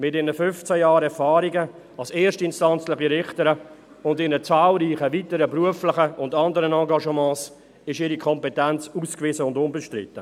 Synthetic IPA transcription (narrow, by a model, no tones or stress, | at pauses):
mɪtɪnəfʏnft͡sæjaːɾɛfaːɾiɡə | ɑlseːɾʃtɪnstɑnt͡sləχiɾɪχtəɾə | ʊndɪnət͡saːlɾiːχəvitəɾəbruəflɪχəʊndɑndəɾənɑ̃ːɡɑʃəmɑ̃ːs | ɪʃɪɾikʰɔmpɛtɛnt͡suːskvɪzəʊndʊnbɛʃtɾɪ̰tːə